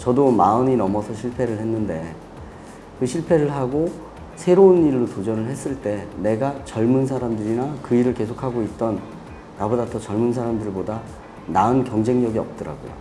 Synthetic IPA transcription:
t͡ɕʌdomaɯɲinʌmʌsʰʌɕʰiɭpʰe̞ɾɯɭhe̞nːɯnde̞ | kɯɕʰiɭpʰe̞ɾɯɭɦaɡo | sʰe̞ɾouniɭːotod͡ʑʌnɯɭhe̞s͈ɯɭt͈e̞ne̞ɡat͡ɕʌɭmunsʰaɾamdɯɾinakɯiɾɯɭke̞sʰokʰaɡoit̚t͈ʌnː | abodat͈ʰʌt͡ɕʌɭmunsʰaɾamdɯɭboda | naɯnkjʌŋd͡ʑe̞ŋɲʌɡiʌp̚t͈ʌɾa̰ɡo̰jo̰

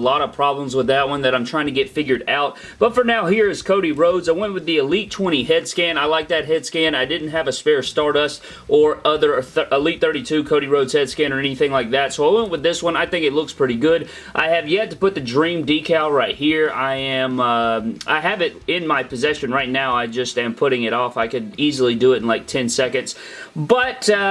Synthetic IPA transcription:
lɔɾʌv̥pʰɹ̥ɑblə̃mzwəðɨt̚wʌ̃nðɨɾãɪ̃mtʰɹ̥aɪɪ̃ŋtʰɨɡɛtfɪɡjə˞ɾaʊt̚ | b̥ʌtfə˞naʊɦiɹɨz̥kʰoʊɾiɹoʊdzaɪwɛ̃nt̚wɨðiɨlitʰw̥ɛ̃ɾ̃iɦɛd̥skæ̃naɪlaɪk̚ðɨt̚ɦɛd̥skæ̃naɪdɪdⁿn̩t̚ɦɨvɨsfɛɹstɑɹɾʌs | ʔə˞ʌðə˞ʔəlit̪̚θɜ˞ɾitʰʉkʰoʊɾiɹoʊdz̥hɛd̥skæ̃nə˞ɛniθɪ̃ŋlaɪk̚ðætsoʊaɪwɛ̃nʔ̚wəðɪswʌ̃naɪθɪ̃ŋkɨtˡlʊkspʰɹ̥ɪɾiɡʊɾ | ʔaɪɨvjɛt̚əpʊt̪̚ðɨdɹĩmdikʰeɪlˠɹaɪt̚hiɹaɪɨ̃mʌʔa̰ɪɨvɪɾɪ̃nmaɪpʰɨzɛʃɨ̃nɹaɪt̚ⁿnaʊaɪd͡ʒʌstɨ̃mpʰʊɾɪ̃ŋɨɾɔfaɪkɨɾizl̩ˠidɨɪɾn̩laɪk̚tʰɛ̃nsɛkɨ̃ndz̥ | bʌt

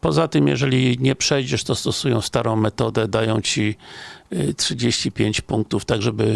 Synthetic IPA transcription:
pɔzat̪ɘmjɛ̰ʐɛlʲiɲɛpʂɛjd͡ʑɛʂt̪ɔst̪ɔsujɔ̃w̃st̪aɾɔ̃w̃mɛt̪ɔd̪ɛd̪ajɔ̃w̃t͡ɕi | tʂɨd͡ʑeɕt͡ɕipʲjeɲt͡ɕpuŋk̚t̪uft̪aɡʐɛbɘ

